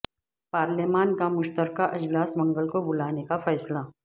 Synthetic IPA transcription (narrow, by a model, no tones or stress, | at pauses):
paːɾlemaːnkamʊʃt̪əɾkaʔɪd͡ʒlaːsmɐ̃ŋɡəlkobʊlaːnekafɛːsla